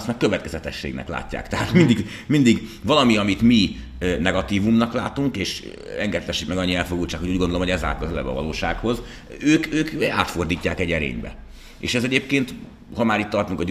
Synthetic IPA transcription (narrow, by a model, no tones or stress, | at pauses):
st̪makøvɛt̪kɛzɛt̪ɛʃːḛːɡnɛ̰kla̰ːcːa̰ːkt̪ɛɦaːt̪mind̪iɡ | mind̪iɡvɒlɒmiɒmit̪mi | nɛɡɒt̪iːvumnɒklaːt̪uŋkeːʃ | ɛŋɡɛt̪lɛʃikmɛɡɒɲːiɛlfoɡult͡ʃaːkhouːɟɡond̪olohoɟɛza̰ːkɒzɛlɛ̰bɒ̰vɒ̰lo̰ːʃaːkho̞z | øːkøːka̰ːt̪fo̞rd̪iːcːaːkɛɟɛɾḛːɲbɛ̰ | ḛːʃɛzɛɟeːp̚keːnt̪ | hɒmaːɾit̪ːɒrt̪uŋkɒɟ